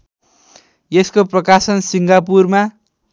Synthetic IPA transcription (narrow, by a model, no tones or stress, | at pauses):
jeskoprʌkasʌnsiŋɡap̬urma